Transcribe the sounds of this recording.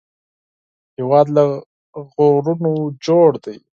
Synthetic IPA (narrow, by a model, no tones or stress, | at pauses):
hewɑːd̪la | ɣoɾunod͡ʒoɽd̪aj